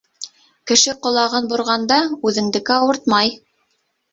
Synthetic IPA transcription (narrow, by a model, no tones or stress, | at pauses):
kɘ̆ʃɘqŏlˠɑʁɤnbŏɾʁɑnd̪ɑʉðɘ̆ŋd̪ɘ̆kɘɑwɤɾt̪̚mɑj